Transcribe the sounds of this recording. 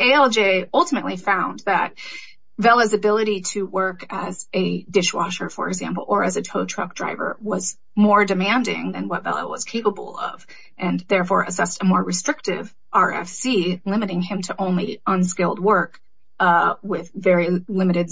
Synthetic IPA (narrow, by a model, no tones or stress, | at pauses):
eɪɛlˠd͡ʒeɪʌlˠtʰəmɨʔˡlifãʊ̃nðɨt̚ | vɛlˠəzɨbɪlˠəɾiɾɨwɜ˞kɨzɨdɪʃwɑ̰ʃə˞fə̰˞ɨɡzæ̰̃mpl̩ˠə˞ɨzɨtʰoʊtʰɹ̥ʌ̰k̚dɹa̰ɪvə̰˞wʌz | mɔɹdɨmæ̃ndɪ̰̃ŋðɨ̰̃nwʌtvɛ̰lˠə̰wʌ̰z̥kʰeɪpəbl̩ˠʌ̰v | ʔɨ̃nðɛɹfɔɹʔɨsɛstəmɔɹɹɨstɹ̥ɪk̚tɪ̰v | ʔɑɹɛ̰fsilɪ̃mɨɾɪ̃ŋɨ̃mtʰɨʔõʊ̃nliʔʌ̃nskɪlˠd̚wɜ˞k | wɪðvɛɹilɪ̃mɨɾɨd